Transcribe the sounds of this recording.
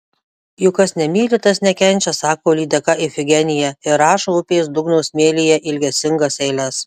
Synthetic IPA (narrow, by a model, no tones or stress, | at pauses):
jʊkɐsnʲɛmʲiːlʲɪt̪ɐsnʲɛkʲɛnʲt͡ʃʲɛsɑːkoːlʲiːd̪ʲɛkɐʔɪfʲɪɡʲɛnʲɪjɛɪɾɑːʃoːʊpʲeːsd̪ʊɡnɔʊsʲmʲeːlʲɪjɛʔɪlʲɡʲɛsʲɪŋɡɐsɛɪlʲɛs